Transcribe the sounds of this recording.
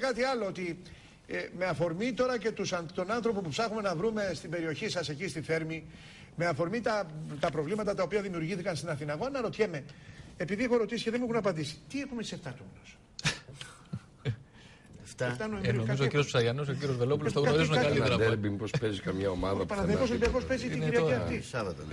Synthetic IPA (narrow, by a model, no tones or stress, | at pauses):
ekɐt̪iɐlo̞ot̪i | eme̞ɐfo̞ɾmit̪o̞ɾɐce̞t̪usɐt̪o̞nanθɾo̞pupupsɐxume̞nɐvɾume̞st̪ibe̞ɾio̞çisɐse̞cist̪iθe̞ɾmi | me̞ɐfo̞ɾmit̪ɐt̪ɐpɾo̞vlimɐt̪ɐt̪ɐo̞piɐðimiuɾʝiθikɐnst̪inɐθinɐɣo̞nɐɾo̞t̪çe̞me̞epiðiexoɾo̞t̪isi̥ceðe̞muxunɐpɐnd̪isi̥t̪iexumet̪iseft̪ɐt̪unos | eft̪ɐft̪ɐnoenoɐzokiɾiospsɐʝɐnos̬okiɾjozvelop̬ulsɣɐoɾizunɐɐd̪eɾbimpospezikɐmɲɐomɐðɐppɐnɐðeos̬oibiɐko̞spe̞zit̪iiɾiɐiɐt̪isɐvɐt̪ɐ̰